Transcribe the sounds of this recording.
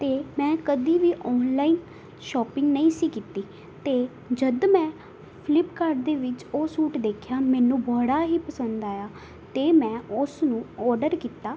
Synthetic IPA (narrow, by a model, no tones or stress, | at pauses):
t̪eːmɛ̃ːkəd̪iːʋiːʔɔːnlaːiːn | ʃɔːpɪŋɡnəĩːsiːkiːt̪iː | t̪eː | d͡ʒəd̪mɛ̃ː | pʰlɪpkəɾɖd̪eːʋɪt͡ʃoːsuːʈd̪eːkʰjaːmɛ̃ːnũːbɔːɽaːɦiːpəsənd̪aːjaː | t̪eːmɛ̃ːʊsnũːɔːɾɖəɾkiːt̪aː